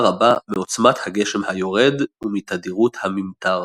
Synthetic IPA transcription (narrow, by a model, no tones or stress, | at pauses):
ʁabameo̞t͡smat̪haɡe̞ʃe̞mhajo̞ʁe̞d̪umit̪ad̪iʁut̪hamimt̪aʁ